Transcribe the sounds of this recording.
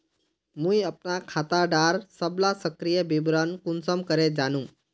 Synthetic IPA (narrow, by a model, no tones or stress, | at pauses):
mũjəpnakʰat̪aɖaɾsəblasəkɾijəbibɾənkunsəmkəɾed͡ʒanũ